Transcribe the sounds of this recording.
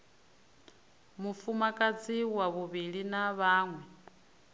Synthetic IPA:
mufumakʼat͡sʰiwaβuβiɺinaβaːŋwɛ

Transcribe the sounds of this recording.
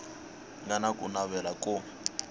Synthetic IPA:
ŋanakʼṵnaβɛlakʼʊ

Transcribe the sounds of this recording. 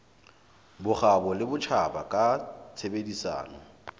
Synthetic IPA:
bʊχabɔlɪbʊt͡ʃʰabakʼat͡sʰebedisa̰ːnɔ

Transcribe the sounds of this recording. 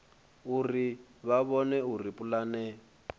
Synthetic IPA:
uriβaβɔnɛuripʼulaːnɛ

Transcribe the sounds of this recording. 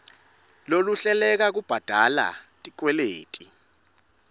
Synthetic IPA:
loluɬɛlɛk̬ak̬ub̥ʱad̥ʱala̰tʼik̬wɛleːtʼi

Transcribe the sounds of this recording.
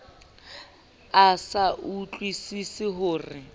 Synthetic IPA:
asaʔut͡ɬʼwisisɪɦʊːrɪ

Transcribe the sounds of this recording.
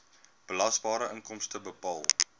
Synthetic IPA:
b̥əlɐsbɑːɾəʔəŋkɔmstəbəpɑːlˠ

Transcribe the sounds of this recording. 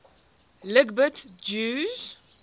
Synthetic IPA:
ləɡbətd͡ʒʉz̥

